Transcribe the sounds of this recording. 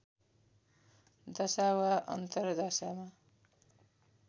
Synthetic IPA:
d̪ʌsawaʔʌ̰nt̪ʌrd̪asama

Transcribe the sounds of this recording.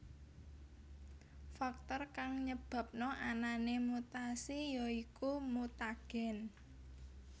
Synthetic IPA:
fak̚t̪ɔrkaŋɲəb̥a̤p̚nɔʔananemut̪asijɔikumut̪aɡ̥ɛ̤n

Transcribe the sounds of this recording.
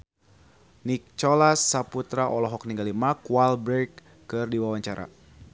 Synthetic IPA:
nik̚t͡ʃɔlasːaput̪ɾaʔɔlɔɦɔk̚niŋɡalimakwalbɾɛkː | ɨrdiwawaɲt͡ʃaɾa̰

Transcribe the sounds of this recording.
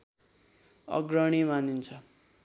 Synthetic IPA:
ʌ̰ɡɾʌɽ̃imanint͡sʰʌ

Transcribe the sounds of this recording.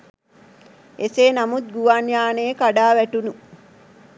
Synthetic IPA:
eseːnamut̪̚ɡuʋanjaːneːkaɖaːʋæʈunu

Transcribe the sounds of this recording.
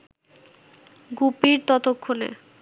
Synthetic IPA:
ɡupiɾt̪ɔt̪okʰːonḛ

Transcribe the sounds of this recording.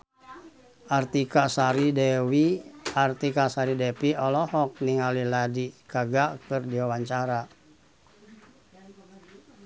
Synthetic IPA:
ʔart̪ikasaɾidɛwiart̪ikasaɾidɛpiɔlɔhɔk̚niŋaliladikaɡakɨrdiwawaɲt͡ʃaɾa

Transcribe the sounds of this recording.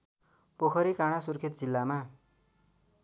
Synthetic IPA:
pokʰʌɾikaɽ̃asurkʰet̪̚d͡zilːama

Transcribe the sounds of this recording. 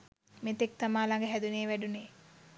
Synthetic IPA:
met̪ek̚t̪amaːlaŋɡəɦæd̪uneːʋæɖune

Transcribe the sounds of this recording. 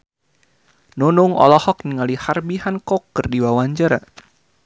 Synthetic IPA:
nunuŋɔ̰lɔhɔk̚niŋaliharbiɦankɔkərdiwawaɲd͡ʒəɾa̰

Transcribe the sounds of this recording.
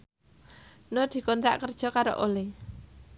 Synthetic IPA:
nod̪̥i̤kɔnt̪ɾa̰ʔkərd̥ʒ̥ɔ̤kaɾo̰ʔole

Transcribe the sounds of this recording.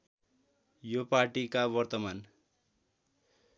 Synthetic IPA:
jopaʈikabʌrt̪ʌman

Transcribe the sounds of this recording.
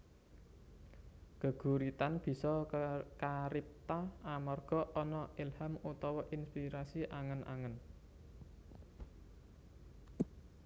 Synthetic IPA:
ɡ̥ə̤ɡ̥ṳɾit̪anb̥i̤sɔkaɾip̚t̪aamarɡ̥ɔ̤ʔɔnɔilhamut̪ɔwɔʔinspiɾasiʔaŋənʔa̰ŋən

